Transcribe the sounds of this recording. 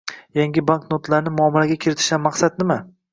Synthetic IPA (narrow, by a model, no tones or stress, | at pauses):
jaŋɡʲɪbanknot̪ʰlaɾnɪmʊɒmaɾaɡʲakʲʰɪɾɪt̪ʰɪ̥ʃt̪anmːaqsat̪̚nɪma